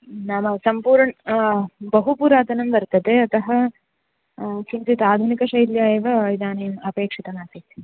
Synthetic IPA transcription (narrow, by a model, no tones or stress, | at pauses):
naːmɐsɐmpuːɾɳɐ | bɐɦupuːɾaːt̪ɐnɐmbɐɾt̪ɐd̪eɐt̪ɐɦɐ | kinsit̪aːd̪ʱunikɐʃɐjljaːjɐʋɐid̪ʱaːnɐjɐmɐpeːkʂit̪ɐmaːt̪ʰi